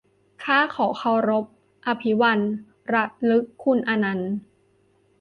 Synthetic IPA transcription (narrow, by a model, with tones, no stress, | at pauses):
kʰaː˥˩kʰɔː˩˦kʰa˧˩wɾo˦˥p̚ | ʔa˧pʰi˦wa˧n | ɾa˦˥t̪̚lɯ˦˥kʰːu˧˩nʔa˧na˧n